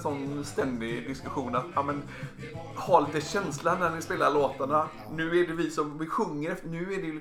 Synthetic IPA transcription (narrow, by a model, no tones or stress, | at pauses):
sɔnːst̪ɛnd̪ɪd̪ɪskɵɧuːnat̪ɑːmɛn | haliːt̪əɕɛnsland̪ænɪspeːlaloːt̪aɳa | nʉ̟ːæɖɛvɪsɔmvɪɧɵŋːəɾɛft̪əɳʉ̟ːæɖɛj